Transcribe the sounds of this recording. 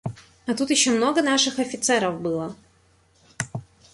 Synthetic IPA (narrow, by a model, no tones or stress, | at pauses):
ɐt̪ut̪jɪɕːomno̞ɡənaʂɨxɐfʲɪt̪sɛɾəvbɨlˠə